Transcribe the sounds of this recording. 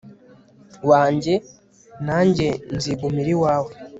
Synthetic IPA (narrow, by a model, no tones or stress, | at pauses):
waːɲɟe̞ | naːɲɟe̞nziɡumiɾiwaːwe